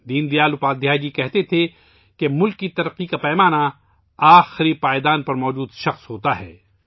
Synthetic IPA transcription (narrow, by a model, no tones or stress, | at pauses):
d̪iːnd̪ijaːlʊpaːd̪jaːd͡ʒikɛɦt̪et̪ʰe | kemʊlkːit̪ɐɾəqːikapɛːmaːna | aːxɪɾipaːjd̪aːnpɐɾmɔːd͡ʒuːd̪ʃɐxsɦoːt̪aɦɛ̰ː